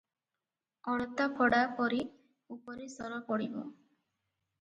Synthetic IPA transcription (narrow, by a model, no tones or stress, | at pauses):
ɔɽɔt̪apʰɔɽapɔɾi | upɔɾisɔɾɔpɔɽibɔ̰